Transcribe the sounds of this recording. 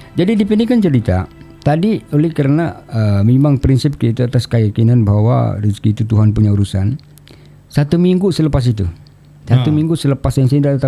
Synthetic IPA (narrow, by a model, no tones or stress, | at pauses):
d͡ʒadidipəndikant͡ʃəɾit̪a̰ | t̪adiolɛhkəɾənaəmimaŋpɾinsɪp̚kiit̪uat̪askəjakinanbaɦwa̰riskiːt̪ut̪uɦanpuɲauɾusan | sat̪umiŋɡusələpas̬it̪u | sat̪umiŋɡusələpasjaŋsaindadat̪a